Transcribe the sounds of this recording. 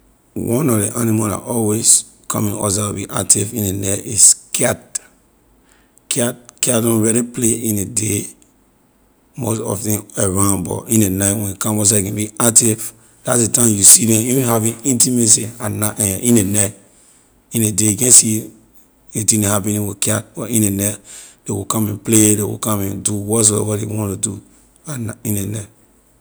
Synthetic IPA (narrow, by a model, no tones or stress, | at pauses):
wɔ̃nɔdeʔanimaa̰ʔɔwes | kʰɔ̰mĩŋɔ̰s̬awubiʔa̰k̚tʰivĩnenɛiskʰɛt | kʰɛtkɛdɔ̃nɹɛɾipleĩnede | mosɔ̰ftĩeɹãnbɔ̰ʔĩnenaɪtwɛ̃nkãmɔs̬akɛ̃biak̚tiv | d̥atsdetãmjusidɛ̃ĩhavĩnĩntimes̬ianaʔɛĩnenat | ĩnedeikɛ̃nsi | etĩnehapĩnĩwikat̚bɔĩnenɛtdewḭkãmɛ̃npledewḭkãmɛ̃nduwɔs̬wɛ̰wɔdewɔ̃ntudu | anĩnena